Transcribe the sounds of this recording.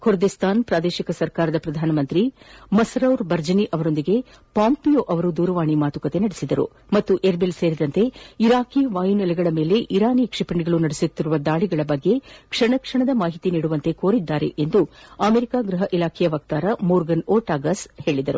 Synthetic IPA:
kʰuɾd̪ist̪ʰaːnpɾaːd̪eːʃikɐsɐɾkaːɾɐd̪ɐpɾɐd̪ʱaːnɐmɐnt̪ɾimɐsɾɐwɾbɐɾd͡ʒɐniʔɐʋɐɾo̞nd̪iɡe̞ | paːmpijoʔɐʋɐɾud̪uːɾɐʋaːɳimaːt̪ukɐt̪e̞nɐɽesid̪ɐɾṵ | mɐt̪ːuʔeɾbelse̞ːɾid̪ɐnt̪e̞iɾaːkiʋaːjunɛlɛɡɐɭɐme̞ːle̞ʔiɾaːnikʂipɐɳiɡɐɭunɐɽesut̪ːiɾuʋɐd̪aːɭiɡɐɭɐbɐɡːe̞kʂɐɳɐkʂɐɳɐd̪ɐmaːɦit̪iniːɽuʋɐnt̪e̞ko̞ːɾid̪ːaːɾe̞̰ʔend̪uɐmeɾikaːɡɾɐɦɐʔilaːkʰɛjɐʋɐk̚t̪aːɾɐmoːɾɡɐnoːʈaːɡɐshe̞ːɭid̪ɐɾṵ

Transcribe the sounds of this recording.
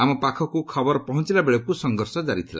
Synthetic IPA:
amɔpakʰɔkukʰɔbɔɾpɔɦɔnt͡ʃilabeɭɔkusɔŋɡɔɾsɔd͡ʒaɾit̪ʰila̰

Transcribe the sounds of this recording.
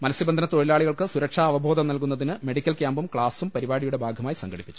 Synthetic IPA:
mɐlɐsiɐbɐnd̪ʱɐnɐt̪o̞ɻilaːɭiɣɐɭkɨsuɾɐkʂaːʋɐbʱo̞ːd̪ɐmnɐlkunːɐðinɨme̞ɽikʲːɐlkʲjaːmbumkɭaːsumpɐɾibaːɽijuɽe̞bʱaːɡʱɐmaːjisɐŋɡɐɽipːi̥t͡ɕːu̥

